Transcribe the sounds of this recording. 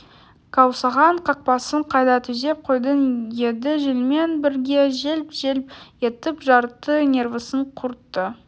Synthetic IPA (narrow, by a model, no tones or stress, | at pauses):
kʰɑwsɑʁɑɴqʰɑq̚pɑsəɴqʰɑjd̪ɑt̪ʰʏze̞p̚qʰo̞jd̪ənje̞d̪ɪʒɪlme̞nbɪɾɡʲe̞ʒelpʒ̥elpje̞t̪ɪpʒɑɾt̪ːənʲe̞rvəsəɴqʰʊɾt̪ːə